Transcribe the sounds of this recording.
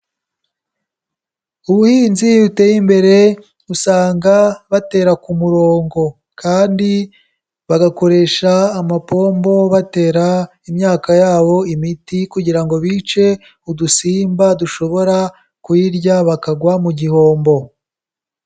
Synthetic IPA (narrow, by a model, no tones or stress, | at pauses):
uβuhiːnziute̞jimbe̞ɾe̞ | usaːŋɡaβate̞ːɾakumuɾo̞ːŋɡo̞ | kaːndi | βaɡako̞ɾe̞ːʃaːmapo̞ːmbo̞βate̞ːɾa | imɲaːkajaːβo̞imitikuɟiɾaŋɡo̞βiːt͡ʃe̞ | udusiːmbaduʃo̞βo̞ɾa | kwiɾjaβakaɡwamuɟiho̞ːmbo̞